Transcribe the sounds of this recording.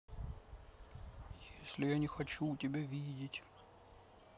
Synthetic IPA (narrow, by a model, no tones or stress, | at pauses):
jesʲlʲɪjanʲɪxɐt͡ɕutʲɪbʲavʲidʲɪtʲ